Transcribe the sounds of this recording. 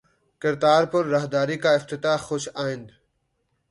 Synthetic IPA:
kɪɾd̪aːɾpəɾːɐɦd̪aːɾiːkaːɪft̪ɪt̪aːxoʃaːɪ̃nd̪

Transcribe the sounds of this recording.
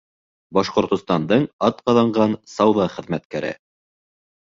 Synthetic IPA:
bɑʃqŏɾt̪ŏst̪ɑnd̪ɤɴɑt̪qɑðɑɴɢɑnsɑwðɑχɘ̆ðmæt̪kæɾɘ̰

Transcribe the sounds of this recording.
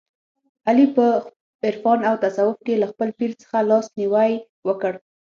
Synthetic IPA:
alipə | ɪɾfɑnawt̪asawʊfkelaxpəlpiɾt͡sə̥xalɑsniwaj | wəkəɽ

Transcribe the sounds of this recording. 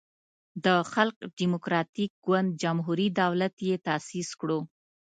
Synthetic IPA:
d̪əxalqɖimʊkɾɑt̪ik̚ɡwand̪̚d͡ʒamɦuɾid̪awlat̪jet̪asiskɽo

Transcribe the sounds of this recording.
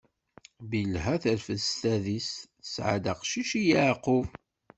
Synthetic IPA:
bilɦæθəɾfəsθæðis | əsʕa̰d̪aqʃiʃijəʕqʊv

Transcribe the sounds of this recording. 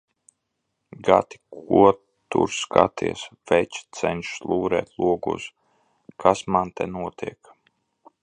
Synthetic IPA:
ɡat̪i̥kuɔ | t̪ṵɾskʰat̪ʰiɛsvɛt͡ʃt̪sɛnʃslˠuːɾɛ̰ːt̪lˠuɔɡṵs | kʰasmant̪ɛnuɔt̪iɛk

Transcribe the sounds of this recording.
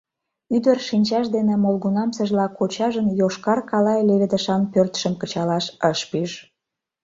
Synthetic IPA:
yd̪ərʃinʲt͡ɕɑʃd̪enĕmolɣunɑmsə̆ʒlɑkʰot͡ɕɑʒənjoʃkɑrkɑlɑeleβed̪ə̆ʃɑnpørt̪ʃə̆mkət͡ɕɑlɑʃəʃpyʒ

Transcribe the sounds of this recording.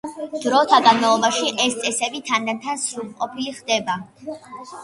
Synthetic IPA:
d̪̥ɾɔːt̪ʰaɡanmalˠɔbaʃiʔɛst̪sʼɛsɛbit̪ʰanat̪ʰansɾulˠqʼɔpʰiliχd̪ɛba

